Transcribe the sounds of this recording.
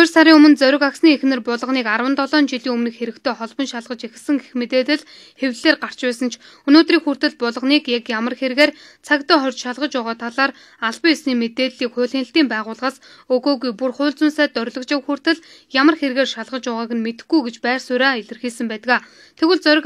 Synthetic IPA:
ʊrsaɾiːŋɵmɵ̆nt͡sœɾʲɪ̆kaksniːexnɘ̆rpʊɮɞ̆ʁniːkarwə̆nt̪ʰɔɮɔːnt͡ɕiɮiːŋɵmnɘ̆kxeɾɘ̆kt̪ʰeːχɔɮpɞ̆nʃaɮʁə̆t͡ɕexɘ̆sə̆ŋɡexmet̪eːt̪ɘ̆ɮ | xewɮeːrɢar̥t͡ɕpæːsə̆nt͡ɕʰ | ɵnoːt̪riːŋxur̥t̪ɘ̆ɮpʊɮɞ̆ʁniːkjakjamə̆rxerɣeːrt͡sʰakt̪ɔːχɔrʲt͡ɕʃaɮʁə̆t͡ɕʊːʁaːt̪ʰaɮaːr | aɮpəːjasniːmet̪eːt̪ɮiːkχʊːɮɪ̆nɬt̪iːmpæːʁʊːɮʁaːs | ɵɣoːɣujpurχʊːɮt͡sʊnsæːt̪œrʲɮɞ̆kt͡ɕawxur̥t̪ɘ̆ɮ | jamə̆rxerɣeːrʃaɮʁə̆t͡ɕʊʁaːɣɘ̆nmet̪ɘ̥̆xɡujɡet͡ɕpæːrsʊɾaːeɮɘ̆rxiːsə̆mpæːt̪ə̆ɣaː | t̪ʰeɣɘ̆ɮt͡sœɾʲɪ̆k

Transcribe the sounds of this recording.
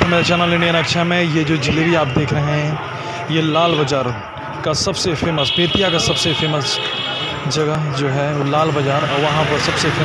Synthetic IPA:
ɐmeːɾt͡ʃaːnaleːɽeɐnɐkʃamẽjed͡ʒoːd͡ʒɪlebiaːp̚d̪eːkʰɾɐɦeɦɛ̃ | jelaːlbɐd͡ʒaːɾ | kasɐbsefʰeːməspeːt̪ijakasɐbsefeːməs | d͡ʒɐɡəd͡ʒoːɦɛlaːlbɐd͡ʒaːɾɔːɾʋɐɦãpɐɾsɐbsefeː

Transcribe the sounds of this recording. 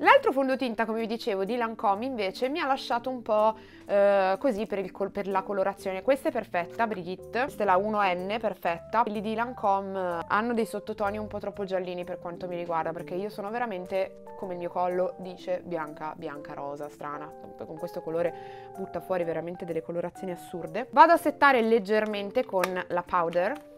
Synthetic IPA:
lalt̪ɾofond̪ot̪int̪akomevid̪it͡ʃeːvod̪ilaŋkɔmːiɱveːt͡ʃemialːaʃːaːt̪oumpɔ | kozipːeɾilkʰoperlakoloɾat̪sːjoːnekwest̪aɛpːerfɛt̪ːabɾiɡit̪ːst̪elaunoɛnːeperfɛt̪ːalːid̪ilaŋkʰɔma̰nːod̪ejsot̪ːot̪ɔːniumpɔt̪ːɾɔpːod͡ʒalːiːniperkwant̪omiɾiɡward̪aperk̟eiːosoːnoveɾament̪e | komeilmiːokɔlːod̪iːt͡ʃebjaŋkabjaŋkaɾɔːzast̪ɾaːna | pkoŋkwest̪okoloːɾe | but̪ːafwɔːɾiveɾament̪ed̪elːekoloɾat̪sːjoːniasːurd̪evaːd̪oasːet̪ːaːɾeled͡ʒːerment̪ekonlapʰawd̪er

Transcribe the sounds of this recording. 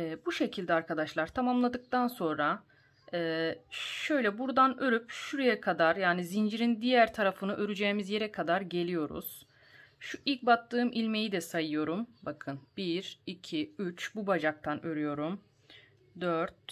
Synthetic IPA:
ɛːbuʃe̞cʰilʲd̪ɛaɾkʰad̪aʃlˠaɾt̪ʰamamlˠad̪ɯk̚t̪anso̞nɾa | ɛːʃø̞jlʲɛbuɾd̪anø̞ɾypʃuɾejɛkʰad̪aɾjaːnizind͡ʒiɾind̪ijæɾt̪ʰaɾafɯnɯʔø̞ɾyd͡ʒɛːimizje̞ɾɛkʰad̪aɾɟe̞lʲijo̞ɾṵz̥ | ʃuilʲc̚bat̪ʰːɯːmʔilʲme̞jid̪ɛsajɯjo̞ɾumbakʰɯnb̥iɾicʰiyt͡ʃbubad͡ʒak̚t̪ʰanø̞ɾyjo̞ɾum | d̪øɾt̪̚

